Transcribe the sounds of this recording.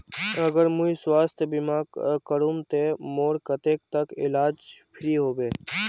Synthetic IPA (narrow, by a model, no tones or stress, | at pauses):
əɡəɾmʊiswaːst̪ʰjəbɪmaːkkəɾumt̪emoːɾkət̪eːk̚t̪əkɪ̰laːd͡ʒpʰɪɾiɦoːbeː